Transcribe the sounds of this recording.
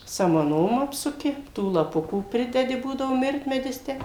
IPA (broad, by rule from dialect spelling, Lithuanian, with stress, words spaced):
sɐmɐˈnoːm ˈɑːpsʊkʲɪ ˈtuː lˠɐˈpʊkuː ˈpʲrʲɪdʲɛdʲɪ ˈbuːdɐʋoː ˈmʲɪrʲtʲmʲɛdʲɪs ˈtʲæː